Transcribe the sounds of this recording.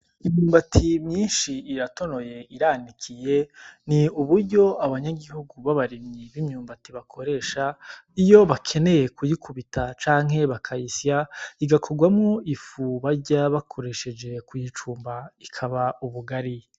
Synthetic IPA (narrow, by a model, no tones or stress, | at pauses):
imɲuːmbatʰimɲiːnʃiːɾato̞no̞je̞iɾanikʰije̞niuβuɾɟo̞aβaɲaɡihuɡuβaβaɾimɲiβimɲuːmbatiβakʰo̞ɾe̞ːʃaijo̞βakʰe̞ne̞je̞kujikʰuβitʰat͡ʃaːŋ̥ɦe̞βakʰaisijaiɡakʰo̞ɡwamŋoifuβaɾɟaβakʰo̞ɾe̞ʃe̞d͡ʒe̞kujit͡ʃuːmbaikʰaβaʔuβuɡaɾi